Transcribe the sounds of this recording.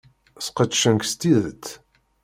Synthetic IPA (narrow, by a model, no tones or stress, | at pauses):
sqət̪ːʃənkst̪iðət̪ː